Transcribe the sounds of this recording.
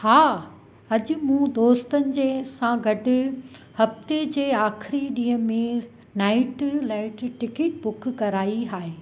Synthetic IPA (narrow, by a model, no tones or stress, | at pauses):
haː | ɐʄʊ̆mũːd̪oːst̪ənɪ̆d͡ʑeːsãɡɐɖɪ̆hɐft̪ed͡ʑeːaːxʰɪɾiɗĩːɦə̃mẽ | naːɪʈlaːɪʈʈɪkɪʈ̚ɓʊkʰkɐɾaːiɦaːɦeː